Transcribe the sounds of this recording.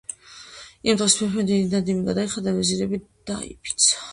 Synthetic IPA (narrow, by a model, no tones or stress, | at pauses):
imd̪ʁɛspʰɛχɛd̪inad̪imiɡad̪aiχad̪avɛziɾɛbid̪̥a̰ḭpʰi̥t̪sʰḁ